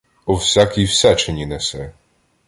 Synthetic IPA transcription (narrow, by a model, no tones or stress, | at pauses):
ɔwsʲakʲijwsɛt͡ʃenʲinɛsɛ